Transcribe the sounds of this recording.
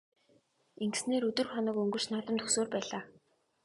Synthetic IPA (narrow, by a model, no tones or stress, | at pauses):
eŋɡ̆sneːɾɵt̪ɵ̆rχɔnɞ̆kɵŋɡɵ̆r̥t͡ɕnaːt̪ə̆mt̪ʰɵxsoːrpæːɮaː